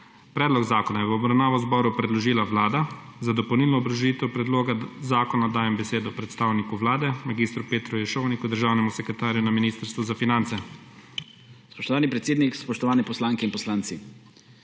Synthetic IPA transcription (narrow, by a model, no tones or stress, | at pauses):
pɾɛːd̪lɔɡzaːkɔnajɛwːbɾawnaːʋɔzbɔɾupɾɛd̪lɔʒiːlaʋlaːd̪a | zad̪ɔpowniːlnɔːbɾɔʒiːt̪ɛwpɾɛd̪loːɡazaːkɔnad̪aːjɛmbɛseːd̪ɔpɾɛt̪st̪aːwnikuʋlaːd̪ɛmaɡiːst̪ɾupeːt̪ɾujɛʃownikud̪əɾʒaːwnɛmusɛkɾɛt̪aːɾjunaminiːst̪əɾst̪ʋuzafinant̪sɛ | spɔʃt̪ɔʋaːnipɾɛt̪seːd̪nikspɔʃt̪ɔʋaːnɛpɔslaːŋkɛinpɔslaːnt̪si